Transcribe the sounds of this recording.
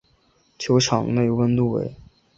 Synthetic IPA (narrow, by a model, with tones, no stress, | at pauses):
t͡ɕʰjo˧˥ʊʈ͡ʂʰɑ˨˩˦ŋne˥˩i˥wə˥nt̪u˥˩wḛ˧˥ɪ